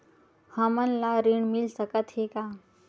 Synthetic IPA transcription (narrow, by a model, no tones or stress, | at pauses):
həmənlaɾiɳmilsəkət̪ɦeka